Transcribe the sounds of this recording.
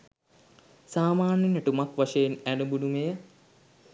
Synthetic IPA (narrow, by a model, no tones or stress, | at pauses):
saːmaːnjɐnɐʈumɐkʋɐʂɐjenænubunumejɐ